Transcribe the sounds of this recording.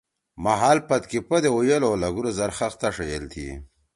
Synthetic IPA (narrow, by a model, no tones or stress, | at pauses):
maɦaːlpɐt̪kipɐd̪eojelolɐɡuɾozɐɾxaxt̪aʂejelt̪ʰḭ